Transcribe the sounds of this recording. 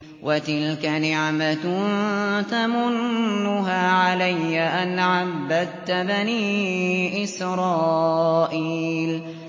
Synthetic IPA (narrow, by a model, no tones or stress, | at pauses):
wʔat̪ɪlkanɪʕma | t̪amʊnːʊɦaːʕalajːaʔanʕabːad̪t̪baniːʔɪsɾˤɑːʔiːl